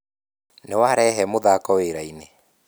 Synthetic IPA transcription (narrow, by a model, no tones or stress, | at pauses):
newaɾɛɦɛmoðakɔweɾaine